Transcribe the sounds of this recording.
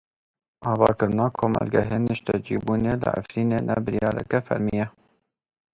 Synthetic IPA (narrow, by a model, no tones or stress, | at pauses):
ʔɑːvɑ̰ːkɨɾɨnɑːkʰoːmæ̰lɡɛɦeːnəʃt̪ɛd͡ʒibuːneːlə̰ʔa̰fɾiːneːnɛ̰bɨɾjɑːɾɛ̰kɛfæɾmijɛ